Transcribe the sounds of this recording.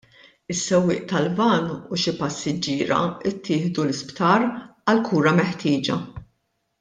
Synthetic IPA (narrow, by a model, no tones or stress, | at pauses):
ɪsːɛwːɪ̰ːʔt̪ɐlvɐnːuʃipɐsːɪd͡ʒɪːɾɐ̰ɪt̪ːɪːħd̪ulɪspt̪ɐːɾɐlkʰuːɾɐmɛħt̪ɪːd͡ʒɐ